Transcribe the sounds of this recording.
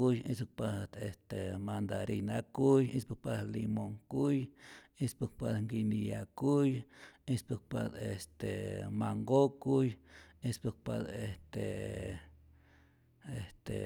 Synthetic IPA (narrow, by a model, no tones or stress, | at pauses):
ujisuk̚paht̪est̪emand̪aɾijnakujispuk̚palimoŋkuj | ispuk̚pat̪ŋɡinijakujispuk̚pad̪est̪emaŋɡokujispuk̚pa̰t̪est̪e | est̪ḛ